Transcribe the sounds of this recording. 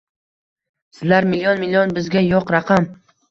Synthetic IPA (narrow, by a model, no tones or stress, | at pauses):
sɪzlaɾmɪlijɒnmɪlʲijɒnbɪzɡʲajɒqɾɑqʰɑm